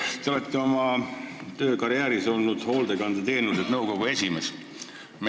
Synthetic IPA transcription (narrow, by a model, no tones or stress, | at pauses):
t̪eo̞let̪ˑːeo̞mɑt̪ø̞ːkɑɾiæːɾiso̞lnud̪̥ho̞ːld̪e̞kɑnd̪ɑt̪e̞ːnused̪nɤwko̞ɡ̥ue̞sʲime̞s | m